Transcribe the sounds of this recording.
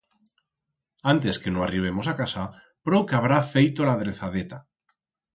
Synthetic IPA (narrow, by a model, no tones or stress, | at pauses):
ant̪eskenoariβ̞emosakasa | pɾokeaβ̞ɾafejt̪olað̞ɾeθaðet̪a